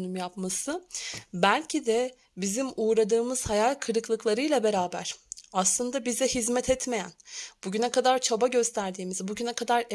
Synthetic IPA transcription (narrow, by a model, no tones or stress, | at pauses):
nymjapmasɯbælʲcʰid̪ɛ | bizimuːɾad̪ɯːmɯz̥hajalʲkʰɯɾɯklˠɯklˠaɾɯjlʲˠabe̞ɾaːbæ̰ɾ̥aslˠɯnd̪abizd̪ɛɦizmɛt̪ʰɛt̪me̞jæ̰nb̥uɟynɛkad̪aɾt͡ʃʰabaɟø̞st̪ʰæɾd̪iːmizbuɟynɛkʰad̪aɾe